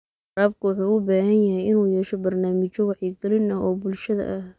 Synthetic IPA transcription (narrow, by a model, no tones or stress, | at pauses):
raːbkʰʊwɑħuːʊbaːhɐnjɐɦɛjɪnuːjɛːʃɔbɐrnaːmɪt͡ʃɔwɑħiːɡɐlɪnɐɦɔːbʊlʃɐðɐ̰ʔɐh